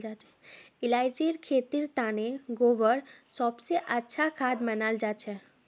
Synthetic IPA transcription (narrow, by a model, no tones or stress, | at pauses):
d͡ʒat͡ʃɛ̥ɪlaːjd͡ʒiɾkʰet̪iɾt̪aneɡoːʋəɽsɔbseʔətːʃʰakʰad̪mənald͡ʒat͡ʃʰɛ